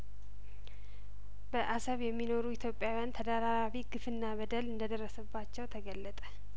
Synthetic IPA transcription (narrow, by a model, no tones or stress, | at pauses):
b̥əʔasəβjɛmːino̞ɾuit̪ʰjo̞pʼːjawijant̪ʰəd̪aɾaɾaβiɡɨfɨnːabəd̪əlɨnd̪əd̪ərːəsəbːat͡ʃːɛwt̪ʰəɡəlːət̪ʼə